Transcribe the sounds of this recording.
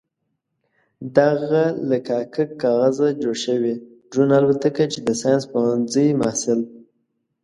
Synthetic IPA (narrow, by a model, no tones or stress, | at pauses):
d̪aɣalakɑkakːɑɣazad͡ʒoɽʃəwi | ɖunalwat̪akat͡ʃed̪əsɑjanspawanzəjmahsɪl